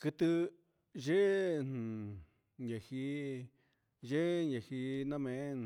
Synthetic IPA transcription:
kɨ˧t̪ɨ˧ | ʒe˦ñ˨ | ɲẽ˨hi˧ | ʒe˦ɲẽ˨hi˧nã˦mẽ˨˦˨

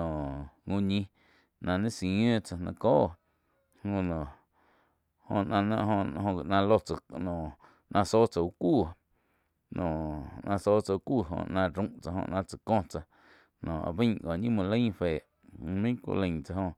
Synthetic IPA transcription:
õ˨ʔŋũ˧ɲĩ˧ | nã˧nẽ˦sĩ˨ẽː˦t͡sa˧nã̰˧koː˦ʔ | hõ˧nõ˨ | hõ˧˨nã˧nã̰˦ʔɦõ˧ɦõ˧ɡi˧˨ʔnã˧lo˧t͡sa˧nõ˨ | nʔã˧so˦t͡sa˧˨u˧kuː˦˨ | nõ˨ʔnʔã˧soː˦t͡sa˧u˧kʷuː˦˨ɦõ̰˧nã˧ɾũ˧˦ʔt͡sa˧hõ̰˧ʔnã˧t͡sa˨kõ˦˧t͡sa˧ | nõ˨ʔa̰˧˨bĩ˦ɡo˨ɲĩ˦mũ˧lə̃˦feː˨ʔ | mẽ˦kʷṵ˧lə̃˧˨t͡sa˧hõ˧

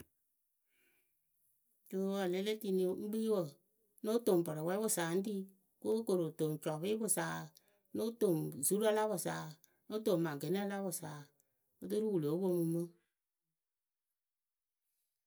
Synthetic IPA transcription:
d͡ʒo˦wa˨le˧˦le˦ti˧ni˨˧˦ŋ͡m̩˦ɡ͡bi˦wə˨ | no˦to˨mpɔ˨ɾɔ˨wɛ˦bʊ˨saː˨n̩˦di˦ | ko˦ko˨ɾo˨to˨ŋ˨t͡ʃɔ˨βi˦bʊ˦saː˨ | no˦to˨ŋ˨zu˦ɾa˦˧la˦bʊ˨saː˨ | no˦to˨m˨mã˨ɡe˨ni˦a˦˧la˦bʊ˨saː˨ | o˦t̬o˦ɾu˦wu˨lo˨˦bo˧mu˧mo˦

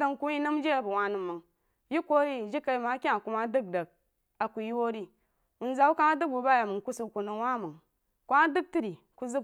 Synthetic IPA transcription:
də˦ŋku˦i˦nə˦m˦d͡ʒe˦a˨bu˨wa˨nɨ˨mːɨ˨ŋ | ji˦kʷo˦ɾi˦˨d͡ʒi˦ka˨i˦ma˨˦kʲi˦a˨ku˦ma˦dɨ˦k̚də˨k̚ | a˨ku˨ji˦wo˦ɾi˦ | u˨n˦za˨˦u˦ka˦ŋa˦dɨ˦k̚bu˨ba˦ja˨mɨ˨ŋku˦su˨ku˨nɨ˨ŋ˦wa˦mɨ˨ŋ | ku˦a˦dɨ˦k̚ti˦ɾi˨ | ku˦zɨ˦

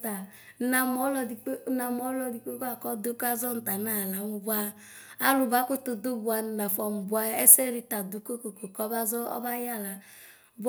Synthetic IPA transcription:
ta˨˦ | na˨mɔ˨˦lɔ˨di˨k͡pna˨m˦ɔ˨˦lɔ˨di˨k͡pe˦ka˨kɔ˦do˦ka˦zɔ˦n̩˨ta˨na˦˨la˨mu˨bu˦a˦ | a˦lu˨ba˦ko˦to˨do˦bu˨a˨n̩˨na˨fɔ˨m˨bu˨a˦ɛ˦sɛ˦ɾi˨ta˨du˨˦ko˦ko˨ko˨kɔ˦ba˦zɔ˦ɔ̰˦ba˦ja˦˨la˨ | b

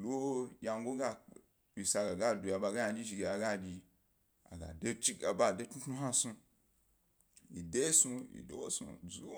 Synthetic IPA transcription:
lo˦ja˧ŋ˦ɡo˦ɡa˦˧ | i˨sa˧ɡa˨ɡa˦du˨ja˧˨ba˧ɡa˦a˧d͡ʒi˦ʒi˧ɡe˨a˨ɡa˦d͡ʒʲi˧ | a̰˨ɡa̰˨de˦t͡ʃi˦ɡa˨ba˦˨de˦tnu˦tnu˦ha˦su˧ | i˨de˦su˧ḭ˨do̰˨˦wo˦sṵ˧zu˦

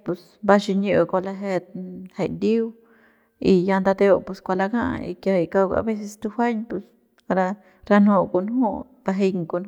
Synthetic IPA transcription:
pu˧s | ba˦ʃi˧ɲu˧kʷa˧la˧ɦe˧t̪he˨jd̪i˦w | i˧ja˧nd̪a˧d̪e˧o˧pu˧skʷa˧la˧ɡa̰˦ḭ˧kʲa˧i˧ka˧wɡa̰˧be˦s̬e˧st̪u˧hʷa˦ɲpu˧s | a˧ɾa˧ | ɾa˧nho˧˨ko˧nɦu˦ | b̥a˧ɦe˧jŋko˧˨n˧

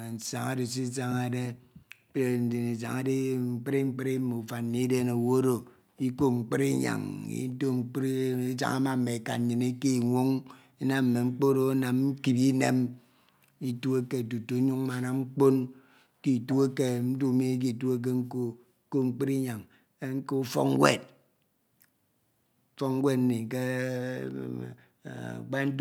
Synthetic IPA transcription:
n̩˨sa˨ŋa˦de˨s̬i˦sa˦˨ŋa˨de˦ | e˨n̩˨di˨ne˨za̰˨ŋa˦de˦ŋ͡m̩˨k͡pe˦ɾi˦ŋ͡m̩˦k͡pe˦ɾi˦mo˨u˨fa˨nː˦i˦de˦no˨wo˦ɾo˨ | i˦ko˦ŋ͡m̩˨k͡pi˦ɾi˦ɲa̰˨ŋḭ˦do˦ŋ͡m̩˨˦ɾi˦za̰˦ŋa˦ma˦˨m̩˦me˨ka̰˨ɲi˨ni˦ki˦˨ŋʷo˦ŋ | i˦na˦m̩˨me˨ŋ͡m̩˦k͡po˦ɾo˦na˨m˦m̩˦ki˨bi˦ne˦m | i˦tu˦e˦ke˦˨tu˨to˨˦ɲu˦ŋ˦ma˨na˨ŋ͡m̩˦k͡po˦n | ki˨tu˦e˦ke˨n̩˦du˦˨me˦k̬i˨tu˦e˦k̬e˦ŋ̩˦ko˦ | ko˦ŋ͡m̩˨k͡pi˦ɾi˦ɲa˨ŋ | e˦ŋ̩˦ko˦fɔ̰˦kŋ˦wḛ˦˨t̚ | fɔ˦we˦tn̩˦ni˨ke˦˨ | k͡pa˦n̩˦d

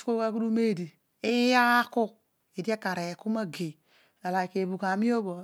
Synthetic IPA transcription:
ko˦ka˦ku˦du˦me˦˨di˨ | i˦ja˦ku˦ | e˨di˦a˦ka˨ɾe˨ku˦ma˦ɡe˨ | a˨la˨ke˨bu˨ka˨mi˦o˦bo˨

